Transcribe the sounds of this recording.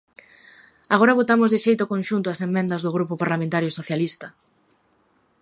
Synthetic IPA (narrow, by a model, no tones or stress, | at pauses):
aɣ̞oɾaβ̞ot̪amʊzðɪʃejt̪ʊkõnʃunt̪ʊasemːẽnd̪ɐzðʊɣ̞ɾupopaɾlamẽnt̪aɾjosoθjalist̪ɐ